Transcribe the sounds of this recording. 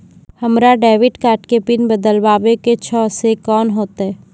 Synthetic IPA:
hɐmɾaɖɛːʋɪʈkaːɾʈkepɪnbəd̪əlʋaːʋeket͡ʃʰɔːsekɔːnɦoːt̪aɦɛː

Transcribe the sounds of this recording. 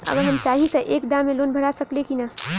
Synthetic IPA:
ɐ̰ɡəɾɦəmt͡ʃaːɦĩt̪ɔʔeːkd̪ãmːẽloːnbʱəɽasɐklekina

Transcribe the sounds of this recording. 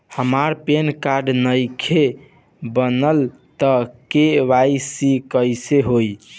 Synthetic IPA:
həmaɾpenkaɾɖnəjkʰe | bənəl | t̪əkeʋajsikəjseɦoj

